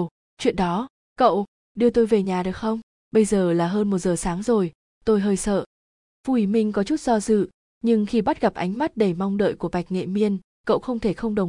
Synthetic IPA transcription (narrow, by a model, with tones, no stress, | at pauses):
t͡ɕwḭ˧˨ənɗɔ˨˦ | kə̰˧˨w | ɗɨ˧ət̪o˧jve˨˩ɲaː˨˩ɗɨ˨˩ək̚xə˧wŋ͡m | ɓə˧jzəː˨˩laː˨˩ɦəː˧nmo˨˩t̚zəː˨˩saː˨˦ŋzo˨˩j | t̪o˧jɦəː˧jsə̰ː˧˨ | fu˧˩wi˧˩mï˧ŋ̟kɔ˨˦t͡ɕu˦˥t̚z̥ɔ˧zɨ̰˧˨ | ɲɨ˧ŋxi˧ɓa˦˥t̚ɣa˨˩p̚ʔa˨˦jŋ̟ma˦˥t̚ɗe˧˩ma˧wŋ͡mɗə̰ː˧˨jku˧˩əɓa˨˩jk̟̚ŋḛ˧˨mi˧ən | kə̰˧˨wxə˧wŋ͡mt̪ʰe˧˩xə˧wŋ͡mɗə˨˩w